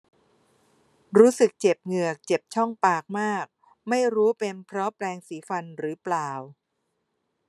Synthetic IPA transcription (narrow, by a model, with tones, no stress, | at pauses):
ɾuː˦˥sɯ˨˩k̚t͡ɕe˨˩p̚ŋɯ˨˩ək̚t͡ɕe˨˩p̚t͡ɕʰɔ˥˩ŋpaː˨˩k̚maː˥˩k̚ | ma˥˩jɾuː˦˥pe˧npʰɾɔ˦˥plɛː˧ŋsiː˩˦fa˧nɾɯː˩˦plaː˨˩w